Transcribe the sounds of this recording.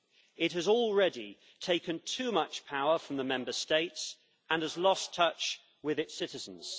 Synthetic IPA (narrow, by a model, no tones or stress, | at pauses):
ɪt̚ɦəzɔlˠɹɛdi | tʰeɪkə̃ntʰʉːmʌt͡ʃpʰaʊəfɹə̃mðəmɛ̃mbəsteɪts | ʔə̃nəzlɒstʰʌt͡ʃ | wɪðɪtsɪtɪzə̃n̩z̥